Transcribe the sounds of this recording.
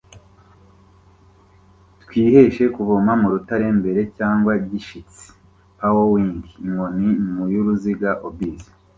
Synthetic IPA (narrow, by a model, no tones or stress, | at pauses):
twiːhe̞ʃe̞kuvomamuɾutaɾe̞mbe̞ɾe̞caːŋɡwaɟiʃit͡si̥ | hawowiːŋɡiːŋonimujuɾuziɡaʔobbiːzḁ